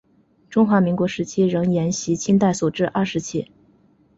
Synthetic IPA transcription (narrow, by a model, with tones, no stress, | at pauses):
ʈ͡ʂʊ˥ŋxwa˧˥mi˧˥ŋkwɔ˧˥ʂɻ̩˧˥t͡ɕʰi˥ɻɤ˧˥ŋjɛ˧˥nɕi˧˥t͡ɕʰi˥nt̪a˥˩ɪsu˨˩ʈ͡ʂɻ̩˥˧ʔa˥˩ʂɻ̩˧˥t͡ɕʰi˥˩